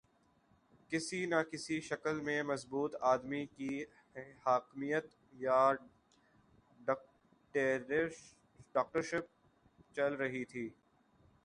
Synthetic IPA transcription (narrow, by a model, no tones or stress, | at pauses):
kɪsinakɪsiʃɐkəlmẽmɐzbuːt̪aːd̪miki | haːkmijət̪ | ja | ʈːɾ | ɖaːk̚ʈəɾʃɪp̚ | t͡ʃɐlɾɐɦit̪ʰiː